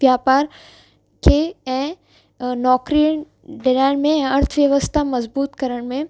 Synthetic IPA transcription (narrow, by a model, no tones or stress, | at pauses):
ʋjaːpaːɾ | kʰeɛ̃ː | nɔːkɾiəɽ̃ | ɖɪlaːɪɽ̃mẽɐɾt̪ʰʋjɐʋəst̪ʰamɐzbuːt̪kɐɾəɽ̃mẽ